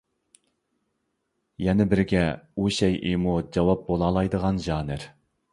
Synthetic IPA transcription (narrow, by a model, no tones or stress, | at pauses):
jɛnɪbɪɾɡʲɛuʃɛjʔḭmud͡ʒɑwɑp̚bolˠɑːlˠɑjd̪əʁɑnʒɑːnɪɾ